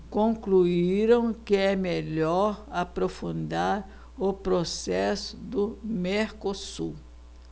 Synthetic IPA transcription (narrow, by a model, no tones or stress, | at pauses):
kõŋkluiɾɐ̃w̃kɪɛmeʎɔɾapɾofũnd̪aɾ | ʊpɾosɛsʊd̪ʊmeɾkosu